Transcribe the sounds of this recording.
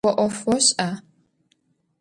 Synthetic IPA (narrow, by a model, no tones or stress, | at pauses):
ɔʔʷɔfwɔɕʼa